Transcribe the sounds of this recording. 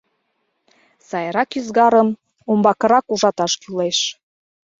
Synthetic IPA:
sɑjɾɑkyzɣɑɾəm | ombɑkə̆ɾɑkuʒɑt̪ɑʃkyleʃ

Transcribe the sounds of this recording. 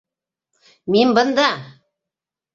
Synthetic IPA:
minbɤ̆nd̪ɑ

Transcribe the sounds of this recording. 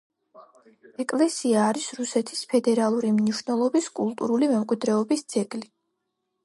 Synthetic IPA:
ɛkʼlɛsiaːɾisɾusɛt̪ʰispʰɛd̪ɛɾalˠuɾimniʃwnɛlˠɔbiskʼulˠt̪ʼuɾulimɛmkʼwid̪ɾɛɔbisd̪zɛɡli

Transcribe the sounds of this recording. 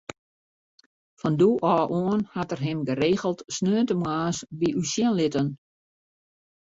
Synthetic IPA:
fɔnduʔɔːʔoənhatərɦɪmɡəreːɣəlˠtsnøːətəmwaːsbiʔysjiənlɪtən

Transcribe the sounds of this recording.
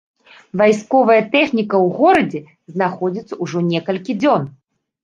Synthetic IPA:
vajskɔvɐjɐt̪ɛxnʲikɐwɣɔɾɐd͡zʲɛ | znaxɔd͡zʲit̪sɐuʐɔnʲɛkɐlʲkʲid͡zʲɔn

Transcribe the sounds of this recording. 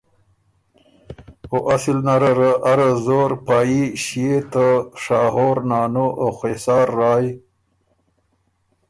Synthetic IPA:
oʔasilnaɾaɾəʔaɾazoɾpɑːjiɕijet̪əʂɑːɦoːɾnɑːnuʔoxesɑːɾːɑːj

